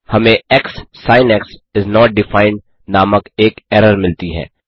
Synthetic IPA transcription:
hɐmẽɛksːaːɪnɛksɪznɔːʈ̚ɖɪfãːɪ̃ɳɖ | naːməkeːkɛːɾəɾmɪlt̪iɦɛ̰ː

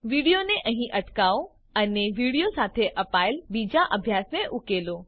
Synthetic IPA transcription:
ʋiːɽijonẽʔɐ̃ɦĩʔɐʈkaːo | ɛ̃neʋiːɽijosaːt̪ʰeʔɐpaːɪlbiːd͡ʑaʔɐbʱjaːsmẽʔʊkeːloː

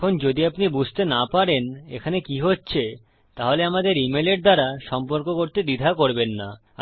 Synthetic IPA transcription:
ond͡ʑod̪iapnibud͡ʑʱt̪enapaɾenḛkʰanekiɦotːɕʰe | t̪aɦoleamad̪eɾimeleɾd̪aɾaʃɔmpoɾkokoɾt̪ed̪id̪ʱakoɾbenːa̰

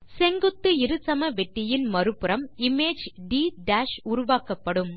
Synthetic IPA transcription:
sɛŋɡɯt̪ːɯɪɾɯsɐmɐʋɛʈːɪjɪnmɐɾɯpːɯɾɐmɪmeːd͡ʒɖiːɖaːʃʊɾʊʋaːkɐpːɐɽɯm

